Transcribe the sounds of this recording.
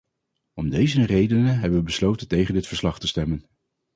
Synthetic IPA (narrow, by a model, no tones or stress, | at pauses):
ɔmdejzərejdənəɦɛbənʋəbəslowtəntejχəndɪtfəɹslɑχtəstɛmən